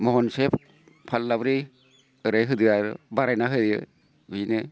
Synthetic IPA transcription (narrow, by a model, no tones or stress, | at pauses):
mɔɦɔnsep | pʰalːabɾi | ɯɾajɦɯdɯaɾɯ̰baɾajnaɦɯdijɯ̰ | bɯnɯ